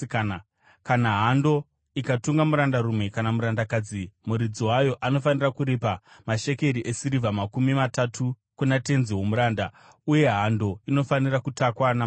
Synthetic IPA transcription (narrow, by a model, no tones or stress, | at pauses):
kanaɦando̞ | ikatuŋɡamuɾandaɾumwe̞kanamuɾandakad͡zimuɾid͡ziwajo̞ʔano̞fanirakuɾipamaʃe̞ke̞ɾiʔesiɾivamakumimatatʰu | kunate̞nziwo̞muɾaːnda | uje̞ɦando̞ino̞fanirakutakwana